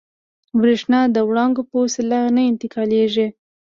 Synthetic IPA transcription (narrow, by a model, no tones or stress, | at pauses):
bɾeʂnɑd̪əwɽɑŋɡopəsilanaɪnt̪ɪkɑleʒi